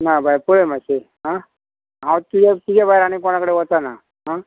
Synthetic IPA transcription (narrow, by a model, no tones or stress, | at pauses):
nabʱajpuɭemaseɦã | ɦãwt̪ud͡ʑat̪ud͡ʑabʱajɾaɽ̃ikoɽ̃akəɽeʋət̪ana | ɦã